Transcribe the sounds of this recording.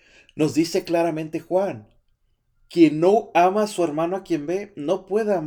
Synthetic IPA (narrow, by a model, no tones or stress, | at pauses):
no̞zðise̞klaɾamẽnt̪exwan | kjenːoamasueɾmãnoakje̞mbeno̞pwe̞ðeam